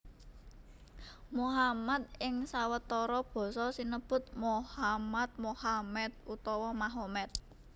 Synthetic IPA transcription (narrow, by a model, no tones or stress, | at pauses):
moɦamat̪̚ɪŋsawət̪ɔɾɔb̥ɔ̤sɔsinəb̥ʊ̤t̪̚mohamat̪̚mohamɛt̪̚ut̪ɔwɔmaɦomɛt̪̚